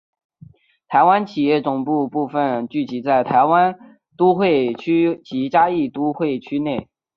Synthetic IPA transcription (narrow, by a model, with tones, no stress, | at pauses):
t̪ʰa˧˥ɪwa˥nt͡ɕʰi˨˩jɛ˥˩t͡sʊ˨˩ŋpu˥˧pu˥˧fə˥˧nt͡ɕy˥˩t͡ɕi˧˥t͡sa˥˩ɪt̪ʰa˧˥ɪwa˥n | t̪u˥xwe˥˩ɪt͡ɕʰy˥t͡ɕi˧˥t͡ɕja˥i˥˩t̪u˥xwe˥˩ɪt͡ɕʰy˥ne˥˩ɪ